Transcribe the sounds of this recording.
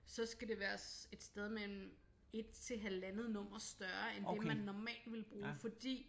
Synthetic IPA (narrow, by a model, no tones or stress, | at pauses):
sɒ̽sɡ̥æde̝ʋæːɐse̝d̥sd̥eð̞ˠmelm̩ | e̝d̥̚t͡sʰe̝ɦælænð̞̩ˠnɔ̽m̰ɐsd̥ɶɐen̥emænːɒmɛ̰ːld̥ʋe̝lb̥ʁuːfɒ̽d̥ḭː